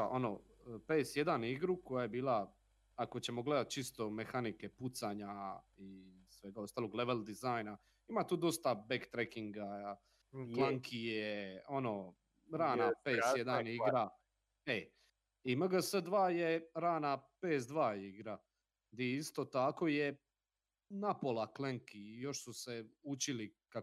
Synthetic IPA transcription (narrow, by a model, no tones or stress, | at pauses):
aʔo̞no | pesjed̪aniɡɾuko̞jaje̞biːlˠa | ako̞t͡ɕe̞mo̞ɡle̞d̪at̪̚t͡ʃist̪o̞mexanike̞put̪saɲai | sʋe̞ɡao̞st̪aːloɡleʋeld̪izajna | imat̪uːd̪o̞st̪abekt̪ɾekiŋɡa | klaŋkʰijeono̞ | ɾaːnapeːsjed̪aniɡɾa | e | imaɡasəd̪ʋaːjeɾaːnapeːsd̪ʋaːjeiɡɾa | d̪iist̪ot̪ako̞je | napolakleŋkijo̞ʃsuseut͡ɕilika